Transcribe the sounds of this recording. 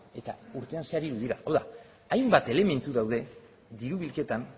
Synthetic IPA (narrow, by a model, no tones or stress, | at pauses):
e̞t̪a̰uɾt̪e̞anseaɾiɾuðiɾaʔowða | ajmbat̪e̞le̞me̞nt̪uðawðe̞ | d̪iɾuβilke̞t̪an